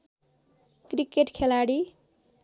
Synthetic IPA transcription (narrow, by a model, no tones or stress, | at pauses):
krikeʈkʰelaɽi